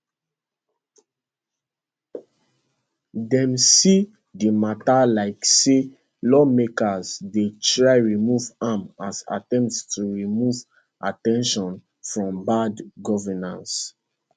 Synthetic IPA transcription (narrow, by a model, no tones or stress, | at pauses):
dɛ̃msi | dimatalaɪkse | lɔmekazdetɹaɪɹimuvamasa̰tɛ̃mptstuɹimuv | ʔatɛ̃nʃɔ̃n | fɹɔ̃mbadɡɔvɛnã̰ns